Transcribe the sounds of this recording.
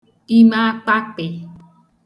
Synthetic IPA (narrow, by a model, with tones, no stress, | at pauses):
i˦mã˦k͡pa˦k͡pe˨